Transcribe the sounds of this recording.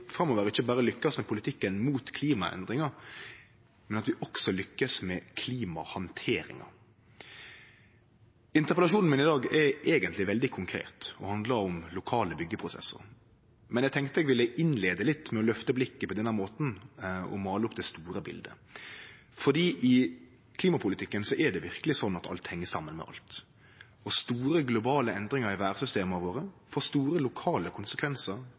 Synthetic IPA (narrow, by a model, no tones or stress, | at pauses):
fɾɑmːɔʋəʁɪçːəbɑːʁəlʏkːɑsmɛpʰʊlɪt̪ʰɪkːənmuːt̪kʰliːmɑɛ̰nd̪ʁɪŋɑʁ | mɛnɑt̪ʋɪʔɔksɔlʏkːəsmɛkʰliːmɑhɑnt̪ʰeːɾɪ̰ŋɑ̰ | ɪnt̪əʁpəlɑʃuːnn̩mɪnɪd̪ɑːɡɛɾeːɡənt̪lɪʋɛld̪ɪkʰʊŋkʰɾḛːt̪ɔhɑnd̪ləɾʊmlʊkʰɑːləbʏɡːəpʰʁʊsɛ̰sə̰ʁ | mɛnjɛæɡ̚t̪ɛŋkt̪əɛɡʋɪlːəʔɪnleːd̪əlɪt̪ːmɛɔlœft̪əblɪkːəpɔd̪ɛnːæɾmoːt̪n̩ɔ̰mɑːləʊpːd̪ɛst̪uːɾəbɪ̰ld̪ə̰ | fɔd̪iːʔɪ | kʰliːmɑpʰʊlɪt̪ɪkːənsɔʔɛd̪ɛʋɪɾkəlɪsɔnːɑt̪ɑ̰lt̪hɛŋːəsɑmːənmɛ̰ʔɑ̰lt̪ | ɔst̪uːɾəɡlʊbɑːləɛnd̪ɾɪŋəɾɪʋæːɾsʏst̪eːməʋoːɾəfoːst̪uːɾəlʊkʰɑːləkʰʊnsəkʰʋɛnsəɾ